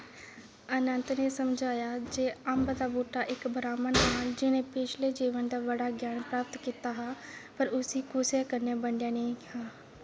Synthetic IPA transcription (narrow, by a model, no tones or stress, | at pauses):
ənənt̪neːsəmd͡ʒʱaːjaːd͡ʒeːəmbd̪aːboːʈaːʔɪkbɾaːmənɦaːd͡ʒɪnẽːpɪt͡ʃʰleːd͡ʒiːʋənd̪aːʋəɽaːɡjaːnpɾaːp̚t̪kiːt̪aːɦaːpəɾʊsiːkʊsjakəɾnjaːbəɳɖjaːnẽhaː